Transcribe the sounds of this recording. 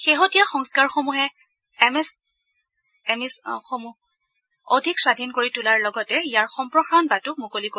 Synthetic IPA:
xeɦotijaxɔŋskaɹxomuɦɛ | ɛmɛs | ɛmisxomu | odʱikswadʱinkoɹitʊlaɹlɔɡɔtɛijaɹxɔmpɹɔxanbatʊmukoliko

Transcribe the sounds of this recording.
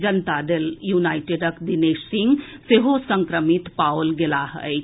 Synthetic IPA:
d͡ʒənt̪ad̪eljunaːɪʈeɖəkɖ̪ineːʃsɪŋɡseɦosə̃ŋkɾəmit̪paolɡelaɦə̰

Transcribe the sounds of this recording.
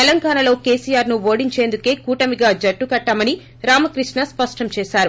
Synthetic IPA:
t̪ɛlɐŋɡaːnɐlo̞ːke̞ːsijaːɾnuʋo̞ːɽiɲt͡ʃeːnd̪uke̞ːkuːʈɐmiɡaːd͡ʒɐʈːukɐʈːaːmɐni | ɾaːmɐkɾiʂɳnɐspɐʂʈɐmt͡ʃɛːsaːɾu

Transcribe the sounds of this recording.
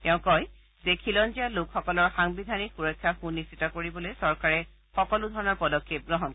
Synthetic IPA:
tɛʊ̃kɔj | zekʰilɔnzialokxɔkɔlɔɹxaŋbidʱanixuɹɔjkʰːaxunːisitɔkoɹibɔlojsɔɹkaɹɛ | xɔkɔlʊdʱɔɹɔnɔɹpɔdɔkʰːep̚ɡɹɔɦɔn

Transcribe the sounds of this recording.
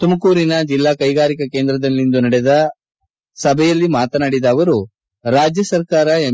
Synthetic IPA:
t̪umɐkuːɾinɐd͡ʒilːaːkɐjɡaːɾikɐkeːnd̪ɾɐd̪ɐlːind̪unɐɽɛd̪ɐ | sɐbʱɛjɐlːimaːt̪ɐnaːɽid̪ɐːʋɐɾu | ɾaːd͡ʒjɐsɐɾkaːɾɐe

